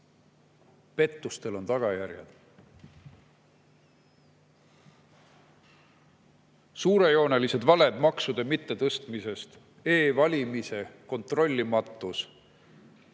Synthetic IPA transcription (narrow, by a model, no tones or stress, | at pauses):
pe̞t̪ːˑust̪e̞lo̞nt̪ɑɡ̥ɑjærjɑ̰d̪̥ | suːɾe̞jo̞ːne̞lise̞d̪vɑle̞d̪̥mɑksud̪̥e̞mit̪ːe̞t̪ɤst̪mise̞st̪ | e̞ːvɑlʲimise̞ko̞nt̪ro̞lʲːimɑt̪ːˑus